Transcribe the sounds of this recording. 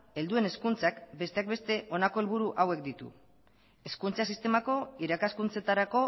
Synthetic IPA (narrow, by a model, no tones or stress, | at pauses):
e̞ld̪ue̞ne̞skunt͡sakbe̞st̪e̞ak̚be̞st̪e̞ʔo̞nako̞elβ̞uɾuʔawe̞k̚d̪it̪ṵ | e̞skunt͡sas̬ist̪e̞mako̞iɾakaskunt͡se̞t̪aɾako̞